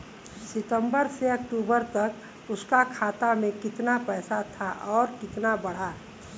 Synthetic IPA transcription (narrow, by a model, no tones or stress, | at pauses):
sɪt̪ə̃mbəɾseək̚ʈuːbəɾt̪ɐk | ʊskakʰaːt̪amẽkɪt̪napɛːsat̪ʰaʔɔːɾkɪt̪nabəɽ̤a